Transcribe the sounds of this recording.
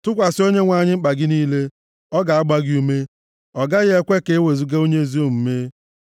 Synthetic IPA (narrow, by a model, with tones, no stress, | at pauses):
tʊ˦kʷa˨sɪ˦o˦ɲe˦ŋʷa˦˨ɲɪ˦ŋ͡m̩˦k͡pa˨ɡɪ˦niː˦le˦ | ɔ˦ɡa˨a˦ɡ͡ba˦ɡɪ˦u˦me˦ | ɔ˨ɡa˦ɣɪ˦e˦kʷe˦ke˨e˦we˨zu˦ɡe˦o˦ɲe˦zi˦o˦˨m̩˨me˦